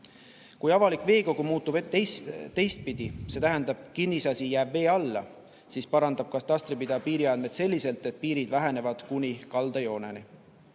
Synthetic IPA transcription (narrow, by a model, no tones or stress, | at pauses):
kujɑvɑlikˑve̞ːko̞ɡ̥umuːt̪ːubet̪ːest̪ːe̞jst̪̚pid̪̥ise̞t̪æɦɛnd̪̥ɑb̥̚kinːisɑsijæːb̥ve̞ːɑlːɑ̰ | siːspɑɾɑnd̪ɑb̥̚kɑst̪ɑst̪ɾipid̪̥ɑpiːɾiɑnd̪me̞t̪se̞lʲːise̞lt̪ˑe̞t̪̚piːɾid̪̥væɦe̞ne̞vɑd̪̥kunʲikɑld̪̥ɑjo̞ːneni